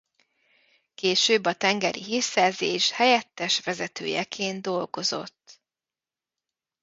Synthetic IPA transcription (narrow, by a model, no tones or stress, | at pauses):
keːʃøːbːɒt̪ɛŋɡɛɾḭɦiːrsɛːrzeːʃhɛjɛt̪ːɛʃʋɛzɛt̪ø̰ːjɛkʰeːnd̪o̞lɡo̞zo̞̰t̪ː